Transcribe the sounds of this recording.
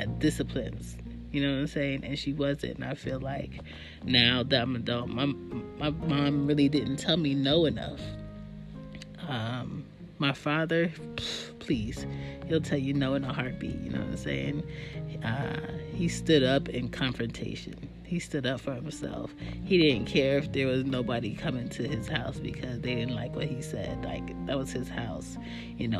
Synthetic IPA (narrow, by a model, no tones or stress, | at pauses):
ɨd̥ɪsəpʰl̥ɨ̰̃nz̥ | jɨnoʊɨ̃mseɪɪ̃ŋʔɨ̰̃nʃiwʌzɨ̰̃ntɨ̰̃naɪfilaɪk | naʊðɨmɨdõmaɪmaɪmɑ̃mɹɪlˠidɪdⁿn̩tʰɛlˠminoʊɨnʌ̰f | ʔʌ̃mː | aɪfɑðə˞ | pʰl̥iz̥hilˠtʰɛlˠjɨnoʊɨ̃nəhɑɹt̚b̥ḭʔjɨ̰no̰ʊ̰̃sḛɪɪ̰̃ŋ | ʌhistʊɾʌpɪ̃nkʰɑ̃ɱfɹɨ̃ntʰeɪʃɨ̰̃n | histʊɾʌpfə˞hɨ̃m̩sɛ̰lˠfhiɾɪdⁿn̩kʰɛɹɨfðə˞wʌznoʊbɨɾikʰʌ̃mɪ̃ntʰɨɪz̥haʊsb̥ɨkʰʌzðeɪɾɪdⁿn̩ʔlaɪkwʌt̚hisɛ̰d̥la̰ɪkðɨt̚wʌz̥ɨz̥haʊs | jɨnoʊ